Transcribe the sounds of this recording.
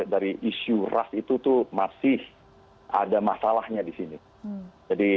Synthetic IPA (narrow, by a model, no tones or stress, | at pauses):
daɾiʔisura̰sit̪ut̪umasɪh | a̰damasalahɲadisini | d͡ʒadi